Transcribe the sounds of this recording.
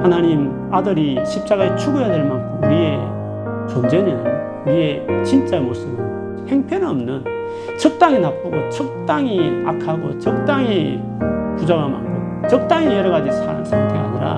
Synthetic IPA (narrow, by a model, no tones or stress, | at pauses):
hanaɲim | adɯɾiɕʰip̚t͡ɕ͈aɣaet͡ɕʰuɡojadweɭmankʰɯmuie | t͡ɕond͡ʑe̞nɯn | uiet͡ɕint͡ɕ͈aemosɯbɯ | he̞ŋpʰjʌnʌmnɯn | t͡ɕʰʌk̚t͈aŋinap̚ʰaɡot͡ɕʰʌk̚t̪͈aŋia̰kʰaɡo̰t͡ɕʌk̚t̪͈aŋi | pud͡ʑaɡama̰ŋkʰo | t͡ɕʌk̚t̪͈aŋijʌɾʌɡad͡ʑisʰa̰ɾa̰ŋsʰaŋtʰeɡa̰ɲiɾa̰